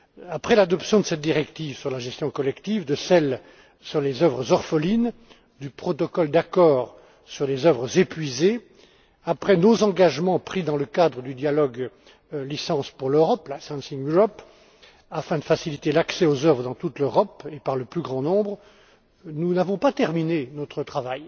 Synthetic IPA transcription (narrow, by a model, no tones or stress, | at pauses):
apχɛlad̪ɔpsjɔ̃d̪əsɛt̪̚d̪iʁɛkt̪ivsyʁlaʒɛst̪jɔ̃kɔlɛkt̪ivd̪əsɛl | syʁlezœvʁəzɔʁfəlin | d̪ypχɔt̪ɔkɔld̪akɔːʁ | syʁlezœvʁəzepɥize | apχɛnozɑ̃ɡaʒmɑ̃pχid̪ɑ̃ləkad̪ʁəd̪yd̪jalɔɡ | lisɑ̃spuʁløʁɔplasɛ̃sinjuʁɔp | afɛ̃d̪əfasilit̪elaksɛozœvʁəd̪ɑ̃t̪ut̪løʁɔpepaʁləplyɡʁɑ̃nɔ̃bʁ | nunavɔ̃pat̪ɛʁminenɔt̪χət̪χavaj